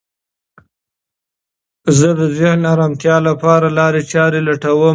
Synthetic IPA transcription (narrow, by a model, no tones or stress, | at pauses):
zəd̪əzehnaɾɑmt̪jɑlapɑɾalɑɾet͡ʃɑɾelaʈawə